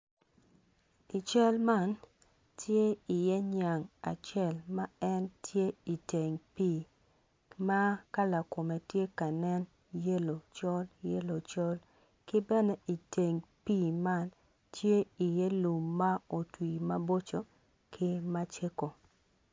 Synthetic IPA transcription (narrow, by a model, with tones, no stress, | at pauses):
i˨t͡ʃɛ˦lma˦n | tʰje˦i˨jɛ˦ɲa˨ŋa̰˨t͡ʃɛ˦˨lma˦ɛ˦ntje˦i˨te˨ŋpi˦˨ | ma˦ka˦la˨ko˨me˨tje˦ka˨nɛ˦n | je˦lo˨t͡ʃɔ˦lje˦lo˨t͡ʃɔ˦l | kɪ˦bɛ˦nɛ˦i˨te˨ŋpi˦ma˦n | tje˦i˨jɛ˦lu˨mːa˦o˨twi˨ma˦bo˦t͡ʃo˨ | kʰɪ˦ma˦t͡ʃe˦ko˨